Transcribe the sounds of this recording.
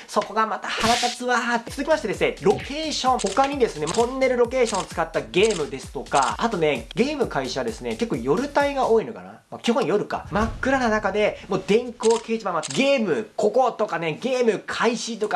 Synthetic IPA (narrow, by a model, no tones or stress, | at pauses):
so̞ko̞ɡamat̪ahaɾat̪at͡sɨβat̪ːet͡sɨzɨkʲimaɕi̥ted̪esɨneɾo̞ke̞ːɕõ̞ŋho̞kaɲ̟id̪e̞sɨne̞õnːe̞ɾɯ̟ɾo̞ke̞ːɕõot͡sɨ̥kat̪ːaɡe̞ːmɯ̟d̪e̞sɨ̥t̪o̞ka̰at̪o̞ne̞ɡe̞ːmɯ̟kaiɕaβad̪e̞sɨne̞ke̞kːoːjo̞ɾɯ̟t̪aiɡao̞ːinoka̰na̰makʲiɦõɰ̃jo̞ɾɯ̟ka̰makːɯ̟ɾananakad̪e̞mo̞ːd̪ẽ̞ŋko̞ːke̞ːʑibamːaɡe̞ːmɯ̟kʰo̞ko̞t̪o̞kane̞ɡe̞ːmɯ̟kʰaiɕit̪o̞ka